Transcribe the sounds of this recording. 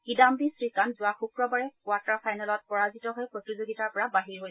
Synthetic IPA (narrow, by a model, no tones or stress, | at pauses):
kidambisɹikanzʊwaxukɹɔbaɹɛkwatapʰajnɛlɔt̚pɔɹazitɔɦɔjpɹotizoɡitaɹpɔɹabaɦiɹɦojs